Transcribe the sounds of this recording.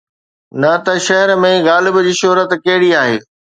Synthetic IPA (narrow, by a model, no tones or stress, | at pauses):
nɐt̪ɐʃɐɦəɾmẽɣaːlɪbəd͡ʑiːʃoɦɾət̪kɐɦɪɽiaːɦḛː